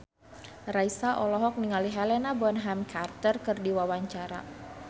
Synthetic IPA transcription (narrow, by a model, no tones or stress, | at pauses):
raisaʔɔlɔɦɔk̚niŋaliɦalɛnabɔnɦamkʰart̪ərkɨrdiwawaɲt͡ʃaɾa̰